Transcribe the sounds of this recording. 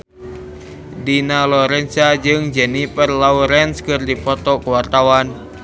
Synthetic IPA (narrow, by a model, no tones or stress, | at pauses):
dinalɔɾɛnsad͡ʒɨŋd͡ʒɛnipərlauɾɛnskɨrdipɔt̪ɔkəwart̪awan